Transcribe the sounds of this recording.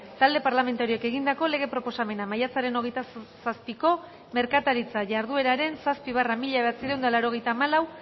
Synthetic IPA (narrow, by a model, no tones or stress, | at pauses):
t̪ald̪e̞paɾlame̞nt̪aɾioeke̞ɣ̞ind̪ako̞le̞ɣ̞e̞pɾo̞po̞same̞namajat͡saɾe̞no̞ɣ̞e̞jt̪asaspiko̞ | me̞ɾkat̪aɾit͡saʝaɾð̞ue̞ɾaɾe̞nsaspiβaramiʎaeat͡siðe̞wnd̪alaɾo̞ɣ̞e̞jt̪aːmalaw